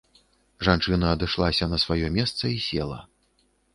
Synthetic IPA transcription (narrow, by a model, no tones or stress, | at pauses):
ʐant͡ʂɨnɐːd̪ɨʂlˠasʲɐnɐsvajɔmʲɛst̪sɐisʲɛlˠɐ̰